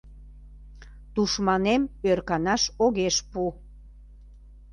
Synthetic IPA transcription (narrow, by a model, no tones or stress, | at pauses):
t̪uʃmɑnemørkɑnɑʃoɣeʃpu